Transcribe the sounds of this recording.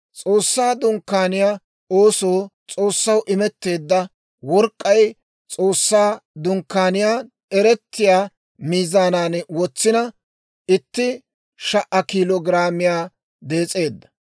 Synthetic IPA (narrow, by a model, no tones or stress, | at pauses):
t͡sʼo̞ːsːaːd̪ʊŋkːaːnɪjaː | oːso̞ːt͡sʼo̞ːsːɐwʔɪmɛt̪ːe̞ːd̪ːɐ | wɔɾkʼːɐj | t͡sʼo̞ːsːaːd̪ʊŋkːaːnɪjaː | ɛɾɛt̪ːɪjaː | miːzaːnaːnwɔt͡sːɪnɐ | ɪt̪ːɪ | ʃɐʔɐkilɔɡɪɾaːmɪjaː | d̪e̞ːt͡sʼe̞ːd̪ːɐ̥